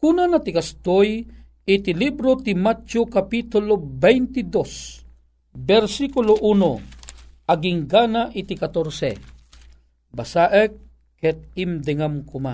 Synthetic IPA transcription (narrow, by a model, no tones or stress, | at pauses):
kunanat̪ikast̪oj | it̪ilibɾot̪imat̪okapit̪ʊlobɛjnt̪id̪os | bɛɾsikuloʔuno | ɐɡiŋɡanaʔit̪ikat̪oɾsɛ̰ | basaʔəkː | ɛt̪̚imd̪ɛŋamkʊma̰